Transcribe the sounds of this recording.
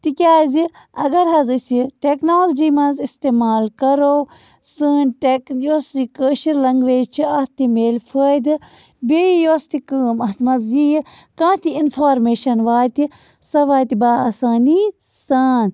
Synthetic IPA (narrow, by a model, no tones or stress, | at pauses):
t̪ikʲaːzi | ɐɡɐɾɦɐzɨsiʈeːknoːld͡ʒiːmɐnzist̪eːmaːlkɐɾoː | sɨːnʈekjoːsd͡ʒikəːʃiɾlɐŋɡʋeːt͡ʃʰiɐht̪imeːlfʰəːjd̪ɨ | beːjoːst̪ikəːmɐt̪mɐzd͡ʒijkãːt̪ʰiinfʰaːɾmeːʃɐnʋaːt̪i | sɐʋaːjt̪ibaːaːsaːnisaːn